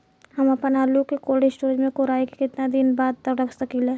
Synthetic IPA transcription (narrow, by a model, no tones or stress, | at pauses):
hɐmɐpənaːlukekoːlɖɪsʈoːɾd͡ʒmẽkoɾaːike̥kɪt̪nad̪ɪnbaːd̪̚t̪ɐkɾɐkʰsəkileː